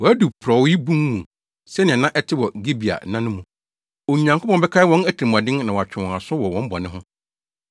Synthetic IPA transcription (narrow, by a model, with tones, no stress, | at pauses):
wɔ˨æ˦du˨pʰɾɔ˨wi˦bũ˦ŋmũ˨ | sɛ˦nɪ̃˨ɛ̃˨nã˦ʔɛ˦tʰɪ˦wɔ˨ɡi˦bi˨a̰˨˦nã˦nʊ̃˦mũ˨ | o˨ɲã˨ŋkʰʊ˦pɔ̃˨bɛ˦kʰa˦wɔ̃˦næ˦tʰi˨i˨m˨a˨dɪ̃˦ŋnã˨wa˨t͡ɕᶣʰɪ̃˨a˨sʊ˦wɔ˨wɔ̃˨˦m̩˦bɔ̰˨nɪ̃˦ɦʊ̃˦